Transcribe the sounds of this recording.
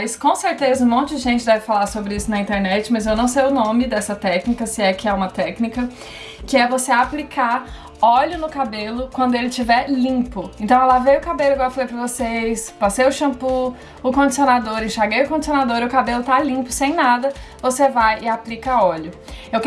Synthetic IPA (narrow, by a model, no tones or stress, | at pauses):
iskõseɾt̪ezɐũmõnt͡ʃʊd͡ʒɪʒẽt͡ʃɪd̪ɛvɪfalaɾsobɾɪisʊnɐĩnt̪eɾnɛt͡ʃɪmɐzewnɐ̃w̃s̬ejʊnõmɪd̪ɛsɐt̪ɛknikɐsɪɛkɪɛũmɐt̪ɛknikɐ | kɪɛvoseaplikʰa | ɔʎʊnʊkabelʊkwɐ̃nd̪ʊelɪt͡ʃivɛɾlĩpʊẽnt̪ɐ̃w̃ɛlavejʊkabelʊɛɡɔwfalejpɾɐvosejspasejʊʃɐ̃pu | ʊkõd͡ʒisionad̪oɾẽʃaɾɡejʊkõnd͡ʒisiõnad̪oɾɪʊkabelʊt̪alĩpʊ̥sẽj̃nad̪ɐvosevajɪaplikɐaɔʎʊ | ewk